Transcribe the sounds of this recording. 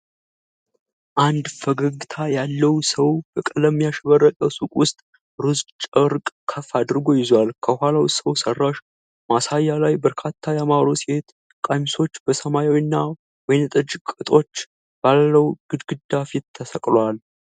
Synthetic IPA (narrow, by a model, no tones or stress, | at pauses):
ʔand̪fəɡəɡɨt̪ʰajalːəwsəwbəkʼələmjaʃβərːəkʼəsukʼwʊst̪ʼ | ɾɨzt͡ʃʼəɾkʼkʰəfad̪ɾɡo̞jɪzwalkʰəhalawsəwsərːaʃ | masajːalajbəɾkʰat̪ʰːajamaɾosiet̪ | kʼajmso̞t͡ʃːb̥əsəmajawinːa | wɔjnt̪ʼɨd͡ʒkʼɨt̪ʼo̞t͡ʃː | b̥alːəwɡ̥ɨd̪ɡɨd̪afit̪ʰːəsəkʼlwal